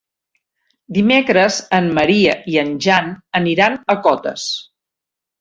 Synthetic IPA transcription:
d̪imekɾəzəmməɾiəʔiənʲʒanəniɾanəkɔt̪ə̰s

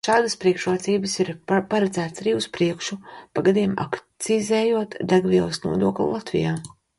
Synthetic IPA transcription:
ʃaːd̪ɐspɾiɛkʃɾuɔt̪siːbəsiɾpaɾad̪zæːt̪saɾiːuspɾiɛkʃupaɡad̪iɛma̰kt̪sizɛːjuɔt̪d̪aɡvʲiɛlˠɨsnṵɔd̪uɔklʲṵlˠat̪vḭjaː

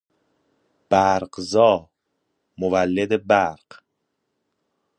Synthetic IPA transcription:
b̥æɾɢzɒː | movælːed̪ebæɾɢ̥

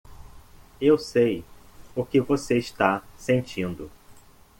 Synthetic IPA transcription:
ewsejʊkɪvoseɪst̪asẽnt͡ʃĩnd̪ʊ

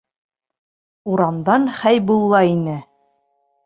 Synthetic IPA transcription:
uɾɑmd̪ɑnχæjbulˠːɑinɘ

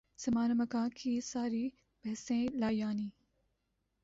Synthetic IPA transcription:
z̥ɐmaːnɐmɐkãːkʰiːsaːɾiː | b̥ɐɦsẽːlaːjaːniː

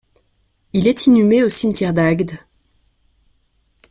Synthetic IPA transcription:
ilɛt̪ʰinymeosimt̪ʲjɛʁd̪aɡd̪

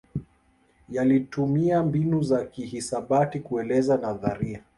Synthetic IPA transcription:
jalitumiambinuzakihisaɓatikuɛlɛzanaðaɾia

